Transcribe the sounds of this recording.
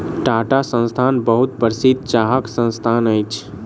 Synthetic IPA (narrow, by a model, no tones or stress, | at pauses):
ʈaʈasə̃nst̪ʰanbəɦut̪̚bəɾsid̪̚t͡ʃaɦəksə̃nst̪ʰanəjt͡ʃʰ